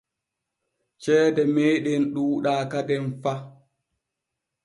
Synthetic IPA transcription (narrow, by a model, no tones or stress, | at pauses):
t͡ʃɛːdɛmeːɗɛnɗuːɗaːkadɛnfa